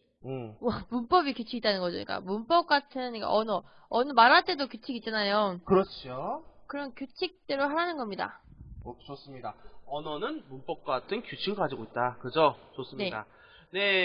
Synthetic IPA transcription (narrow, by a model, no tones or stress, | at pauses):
ɯwʌmunp͈ʌbikjut͡ɕʰiɡit͈anɯnɡʌd͡ʑo̰ɲḭk͈a̰munp͈ʌp̚k͈atʰɯnɯnɲik͈a̰ʔʌnʌ | ʌnʌmaɾat͈e̞dokjut͡ɕʰiɡit̚t͡ɕ͈anajokɯɾʌt͡ɕʰiokɯɾʌnkjut͡ɕʰik̚t͈eɾoɦaɾanɯnɡʌmɲida̰ | t͡ɕos͈ɯmɲidaʌnʌnɯnmunp͈ʌp̚k͈atʰɯnkjut͡ɕʰiɡɯɭɡad͡ʑiɡoit̚t͈akɯd͡ʑot͡ɕos͈ɯmnieda̰ | ne̞